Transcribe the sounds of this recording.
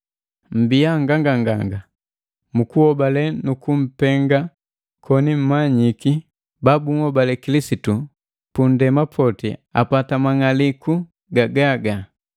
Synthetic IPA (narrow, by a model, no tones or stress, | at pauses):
m̩biaŋɡaŋɡaŋɡaŋɡa | mukuhɔbalɛnukum̩pɛŋɡa | kʰɔnim̩maɲiki | babuŋɔbalɛkilisitu | pundɛmapʰɔtḭa̰patamaŋaliku | ɡaɡaɡa